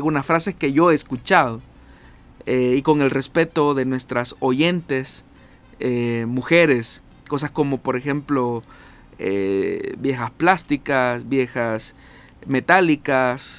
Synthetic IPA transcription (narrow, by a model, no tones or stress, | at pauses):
lɣunasfɾaseskeʝoeːskut͡ʃaðo | eikoŋelrespet̪oðenwest̪ɾasoʝent̪es | emuxeɾes | kos̬askomopoɾexemplo | ḛbjexasplast̪ikasbjexas | met̪alikas